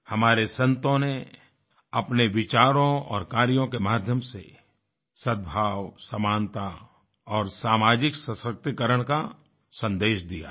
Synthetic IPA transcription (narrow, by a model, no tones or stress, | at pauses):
hɐmaːɾesə̃nt̪õne | ɐpneʋɪt͡ʃaːɾõɔːɾkaːɾjõkemaːd̪ʱjəmsḛ | səd̪̚bʱaːwsəmaːnt̪a | ɔːɾsaːmaːd͡ʒɪksəsək̚t̪ikəɾəɽ̃ka | sə̃nd̪eːʃd̪ija̰